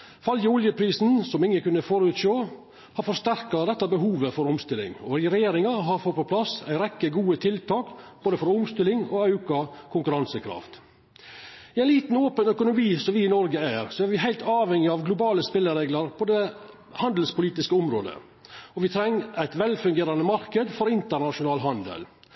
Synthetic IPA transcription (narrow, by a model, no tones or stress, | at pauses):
fɑljəʊljəpʰɾiːsn̩sɔmɪŋːəkʉnːəfɔɾʉt̪ʃoː | hɑɾfɔɾʂt̪æɾkɑd̪ɛt̪ːɑbəɦuːʋəfɔɾʊmst̪ɪlːɪ̰ŋɔ̰ɾɾɛjeːɾɪŋɑɦɑɾfɔt̪̚pʰɔpʰlɑsæ̰ɪɾɛkːəɡuːət̪ʰɪlt̪ʰɑːkb̥oːd̪əfɔɾʊmst̪ɪlɪŋɔ̰ɑʉkɑkʰʊŋkʉɾɑnsəkʰɾɑ̰ft̪ | ɪæɪnliːt̪n̩oːpənœkʊnʊmiːsɔmʋɪɪnɔɾɡəæɾsɔæɾʋɪɦæɪlt̪ʰɑːʋɛŋɪɑʋɡlʊbɑːləspɪlːəɾeːɡlɑɾpʰɔd̪ɛ | hɑnd̪əl̩spʊliːt̪ɪskəʊmɾo̰ːd̪ə̰ | ɔʋɪt̪ʰɾɛŋːʔæɪt̪ʋɛlfʉŋɡeːɾɑnəmɑɾkəd̪fɔɾɪnt̪əɾnɑʃʊnɑːlɦɑnd̪ə̰l